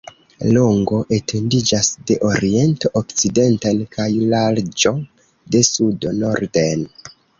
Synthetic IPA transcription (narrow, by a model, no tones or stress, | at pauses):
loŋɡo̞ʔe̞tʰe̞ndid͡ʒasde̞ʔo̞ɾie̞ntoʔokt͡side̞ntankʰajlald͡ʒo̞ | de̞sudono̞ɾde̞n